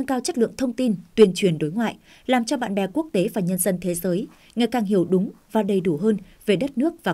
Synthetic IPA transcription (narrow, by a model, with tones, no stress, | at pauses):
a˧ŋkaː˧wt͡ɕə̟˦˥lɨ̰˧˨əŋt̪ʰə˧wŋ͡mt̪i˧nt̪wi˨˩ənt͡ɕwi˨˩ənɗo˨˦jŋwa̰ː˧˨jʔ | laː˨˩mt͡ɕɔ˧ɓa̰ː˧˨nɓɛ˨˩ku˦˥ək̚t̪e˨˦vaː˨˩ɲə˧nzə˧nt̪ʰe˨˦zəː˨˦j | ŋa˨˩jkaː˨˩ŋɦi˧˩əwɗʊ˨˦ŋ͡mvaː˨˩ɗə˨˩jɗu˧˩ɦəː˧n | ve˨˩ɗə˦˥t̚nɨ˦˥ək̚vaː˨˩